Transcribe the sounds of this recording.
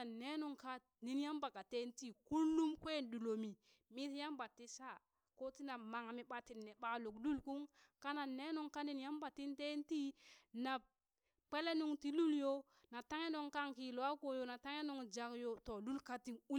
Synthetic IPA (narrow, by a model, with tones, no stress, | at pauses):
a˨ne˦nu˨ŋka˦ | ni˨nja˦mba˨ka˨te˦nti˦ku˦lːu˦mkwe˦˨ndu˨lo˨mi˨ | mi˦tja˦mba˨tːi˦sa˦ | ko˦ti˦na˨ma˨ŋa˨mi˨ɓa˨ti˨nːe˨ɓa˨lo˨kdu˦lku˦ŋka˦na˨ne˦nu˦ŋka˦ni˨nja˦mba˨ti˦nte˦nti˦na˨b̚ | k͡pe˦le˦nu˨ŋti˦lu˦ljo˦ | na˨ta˦ŋe˦no˦˨ŋka˦ŋki˨lo˨a˦ko˨jo˨na˨ta˦ŋe˦no˨ŋd͡ʒa˨kjo˨to˨lu˦lka˦ti˨ŋu˦